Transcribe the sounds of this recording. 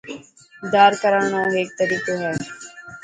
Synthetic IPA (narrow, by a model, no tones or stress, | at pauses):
d̪aːɾkəɾaːɳãːɦeːk̚t̪əɾiːkoːɦɛː